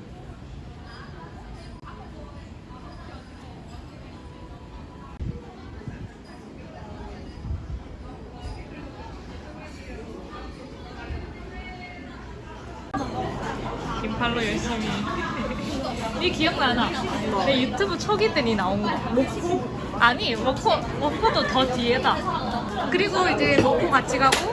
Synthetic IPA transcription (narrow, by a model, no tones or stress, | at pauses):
kimpʰaɭːojʌɭɕ͈imi | nikiʌŋnanadejutʰubɯt͡ɕʰoɡit͈eɲinaonɡʌmok̚pʰo | aɲimʌpʰo | mʌpʰːodotʌtiɦeda | kɯɾiɡoid͡ʑe̞mok̚kpʰomat͡ɕ͈ʰiɡʱaɡo